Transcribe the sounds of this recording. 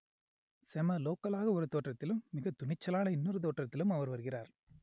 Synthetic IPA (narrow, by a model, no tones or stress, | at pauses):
sɛmɐloːkɐlaːɣɐɔɾɯt̪oːʈrɐt̪ːɪlɯmːɪɣɐt̪ʊɳɪt͡ʃːɐlaːnɐɪnːɔɾɯt̪̬oːʈrɐt̪ːɪlɯmɐʋɐɾʋɐɾɯɣɪraːɾ